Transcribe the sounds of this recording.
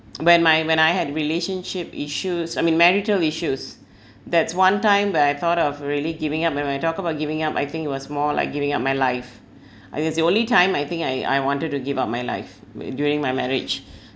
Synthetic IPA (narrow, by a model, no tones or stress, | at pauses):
wɛ̃nmaɪwɛ̃ɾ̃najhɛdɹileʃə̃nʃɪpiʃusajmĩnmɛɹitəliʃus | d̪ɛtswãntãɪ̃mbataɪt̪ʰɔɾɔvɹiliɡivɪ̃ŋap̚wɛ̃najtɔk̚əbaʊt̚ɡivɪ̃ŋapa̰jt̪ɪ̃ŋkit̚wɔsmɔla̰ɪk̚ɡivɪ̃ŋap̚maɪlaɪf | aɪ̃ŋɛtsdiõnlitãɪ̃majθɪ̃ŋkaɪa̰jwɔ̃ntəd̚tuɡivap̚majla̰ɪfdjuɹɪ̃ŋmajmɛɹɪ̰d͡ʒ